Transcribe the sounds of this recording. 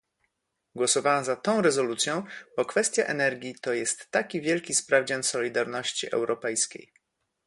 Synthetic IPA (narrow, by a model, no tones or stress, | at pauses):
ɡwɔsɔvawazat̪ɔ̃w̃ɾɛzɔlut̪sʲjɔ̃w̃bɔkfɛst̪ʲja̰ʔɛnɛɾɡʲit̪ɔjɛst̪ːakʲivʲjɛlkʲispɾavd͡ʑansɔlʲid̪aɾnɔɕt͡ɕiʔɛ̰wɾɔpɛjskʲḛj